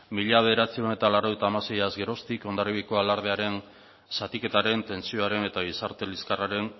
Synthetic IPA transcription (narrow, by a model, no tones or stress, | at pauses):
miʎaβ̞e̞ðeɾat͡sio̞ne̞t̪alaɾoɣet̪aːmase̞jazɣe̞ɾo̞st̪iko̞nd̪aɾiɣiko̞alaɾð̞e̞aɾe̞n | sat̪ike̞t̪aɾe̞nt̪e̞nsio̞aɾe̞ne̞t̪aɣ̞isaɾt̪e̞liskaraɾe̞n